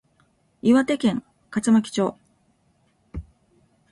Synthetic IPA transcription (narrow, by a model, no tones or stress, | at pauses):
iβat̪e̞kẽ̞ŋ | kat͡sɨmakʲi̥t͡ɕo̞ː